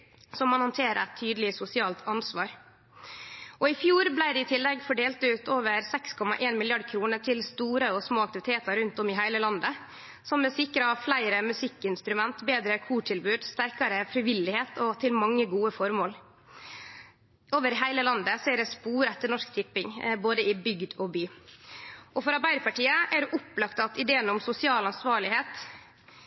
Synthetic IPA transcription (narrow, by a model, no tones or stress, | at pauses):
sɔmɑnhɑnt̪ʰeːɾəɛt̪ʰːyːd̪l̩ɪsʊsɪɑːlt̪ʰɑnsʋɑːɾ | ʔɔɪfjuːɾblæɪd̪ɪɪt̪ʰɪlːɛɡfɔɖeːlt̪ʉːt̪oːʋəɾsɛkskʰɔmɑ̰ʔeːnmɪlɪɑɖkʰɾuːnəʈʰɪlst̪uːɾəɔsmoːɑk̚t̪ɪʋɪt̪ʰeːt̪ɑɾʉnt̪ɔmɪɦæɪləlɑnd̪ə | sɔmːɛsɪkɾəflæɪɾəmʉsɪkːɪnst̪ɾʉmɛnt̪beːd̪ɾəkʰuːʈʰɪlbʉːd̪st̪æɾkɑɾəfɾɪʋɪlːɪheːt̪ʰɔt̪ʰɪlmɑŋːəɡuːəfɔɾmoːl | oːʋəɾɦæɪləlɑnd̪əsɔæd̪ɛspuːɾɛt̪ːəɳɔʂkt̪ʰɪpːɪŋboːd̪əɪbʏɡd̪ɔbyː | ʔɔfɔɾɑɾbæɪd̪pʰɑʈiːəʔæɖʉʔʊpːlɑkt̪ɑt̪ɪd̪eːənɔmsʊsɪɑːlɑnsʋɑːɭɪheːt̪